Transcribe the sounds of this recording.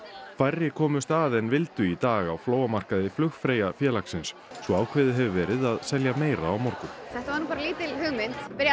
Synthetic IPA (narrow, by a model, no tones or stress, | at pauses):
kʰv̥arːɪkʰɔːmʏst̪aðɛnvɪlt̪ʏit̪aːɣawfloːwamar̥kaðɪflʏxfɾeːjafjɛːlaksɪnsːɔaːwkʰvɛːðɪɦɛvʏvɛːɾɪðaðsɛljameːjɾa̰ːwmɔɾkʏmθɛht̪avaɾnupaɾaliːt̪ɪlhʏɣmɪn̥t̪pɪɾja